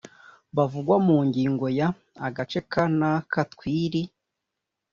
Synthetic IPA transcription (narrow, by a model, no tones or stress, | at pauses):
βavuɡwamuːɲɟiːŋɡo̞ja | aɡat͡ʃe̞kanakatkwiːɾi